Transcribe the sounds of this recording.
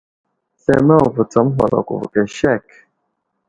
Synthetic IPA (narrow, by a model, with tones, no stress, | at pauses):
sɛ˦ma˦˨və˨t͡sa˨˦m˦ɦa̰˨la̰˨kṵ˨vkɛ˨ʃɛ˦˨k